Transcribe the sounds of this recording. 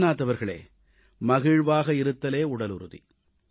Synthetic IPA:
naːt̪ːɐʋɐɾɣɐɭḛː | mɐɣɪɻʋaːɣɐɪɾɯt̪ːɐleːʊɽɐlʊ̰ɾɯðḭ

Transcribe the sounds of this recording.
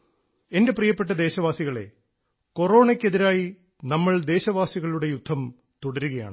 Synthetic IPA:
e̞nde̞prijɐpːe̞ʈːɐd̪e̞ːɕɐʋaːsiɣɐɭe̞̰ | ko̞ro̞ːɳekʲːe̞ðiɾaːji | nɐmːɐɭd̪e̞ːɕɐʋaːsiɣɐɭuɽe̞jud̪ʱːɐm | t̪uɽɐɾuɣɐja̰ːɳɨ

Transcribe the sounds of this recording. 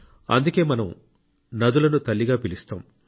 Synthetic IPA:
ɐ̰nd̪uke̞ːmɐnɐm | nɐd̪ulɐnut̪ɐlːiɡaːpilist̪a̰ːm

